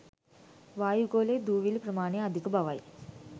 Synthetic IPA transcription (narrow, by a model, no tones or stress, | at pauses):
ʋaːjuɡoːleːd̪uːʋilupɾɐmaːneɐd̪ʱikɐbʱɐʋaj